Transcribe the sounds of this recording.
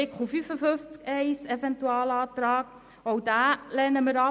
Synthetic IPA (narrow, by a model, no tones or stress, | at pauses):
ɪkχufyfəføft͡skɛɪsɛfɛntuɑːlɑːt̪ɾɑːɡ̥ | owd̥æːlɛnəməɾɑ